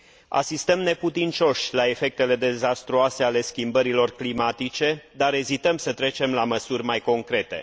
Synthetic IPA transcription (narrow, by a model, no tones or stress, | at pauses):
a̰sist̪əmne̞put̪int͡ʃo̞ʃʲlae̞fe̞k̚t̪e̞le̞d̪e̞zast̪ɾuase̞ale̞skʲimbəɾilo̞rklimat̪it͡ʃe̞d̪aɾe̞zit̪əmsət̪ɾe̞t͡ʃe̞mlaməsurʲmajko̞ŋkɾe̞t̪e̞̰